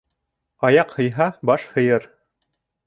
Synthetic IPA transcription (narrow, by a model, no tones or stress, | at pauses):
ɑjɑqhɤ̆jɦɑbɑʃhɤ̆jɤɾ